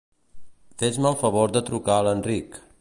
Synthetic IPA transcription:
fet͡ʃməlˠfəβoɾd̪ət̪ɾukaələnrik

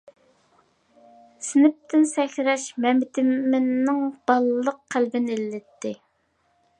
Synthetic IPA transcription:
sɪnɪp̚t̪ʰɪnsɛkʲɾɛʃmɛmɪt̪ʰɪmːɪnːɪŋb̥ɑlˠlˠːəqʰːælbɪnɪelːɪt̪ʰːɪ

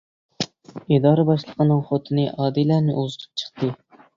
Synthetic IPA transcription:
id̪ɑːɾəbɑʃlˠəqʰənɨŋχot̪ʰɨnɨʔɑːd̪ilæɾnɪʔuzɨt̪ʰɨ̥p̚t͡ʃʰə̥χt̪ɨ

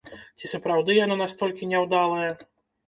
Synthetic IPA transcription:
t͡sʲisɐpɾawd̪ɨjanɔnast̪ɔlʲkʲinʲɛwd̪alˠɐjɛ

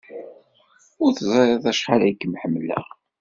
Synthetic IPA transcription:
ʊɾθzˤɑɾˤeðˤæʃχalæjkːəmħəmːlæ̰

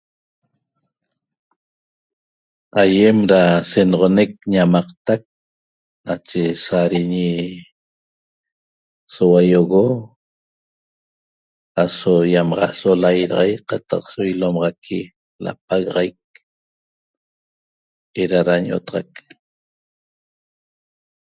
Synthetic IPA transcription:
ajemɾasenʁonek̚ɲamɑqt̪ak̚ | nat͡ʃesaɾiɲi | sowajoɣo | asojamɑʁɑsolajɾɑʁa̰jqɑt̪ɑqsojlomɑʁɑkʰi | la̰p̚aɣɑʁajk̚ | eɾaɾaɲʔo̰t̪ɑʁɑk

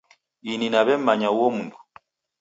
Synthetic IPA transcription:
ininaβɛm̩maɲauwɔmundu

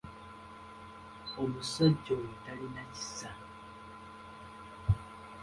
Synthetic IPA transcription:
omusaɟowutalinaci̥sa

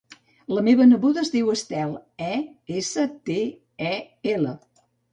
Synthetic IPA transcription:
ləmeβənəβuðəːzðiwəst̪ɛlˠɛesət̪e | ɛ | elə

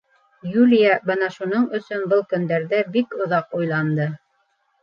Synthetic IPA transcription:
jʉlʲijabɤnɑʃun̪oɴɵ̆sɵnbɤlˠkɵ̆nd̪æɾðæbikŏðɑqujlˠɑnd̪ɤ

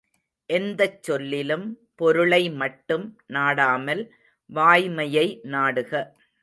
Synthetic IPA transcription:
ʔɛnd̪ɐt͡ʃːɔlːɪlɯm | pɔɾɯɭɐɪmɐʈːɯmnaːɽaːmɐl | ʋaːjmɐjɐɪnaːɽɯɣɐ

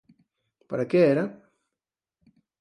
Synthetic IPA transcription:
paɾakeeɾa

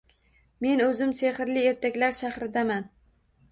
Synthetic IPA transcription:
me̞nɵzɪmseχɪɾlɪeɾt̪ʰakʲlaɾʃahɾɪd̪aman

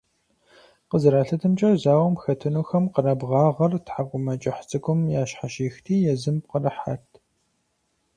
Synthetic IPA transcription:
qəzɨɾaːɬɐtʰɨmt͡ʃʼɐwzaːwɐmxɐtʰɨnuːxɐmqənɐbʁɑːʁɐrtħakʷʼʊmɐt͡ʃʼɐħt͡sʼɨkʷʰʼʊmjaːʃħaʃiːxtʰiːjɛzɨmp̚qərɐħa̰ːtʰ

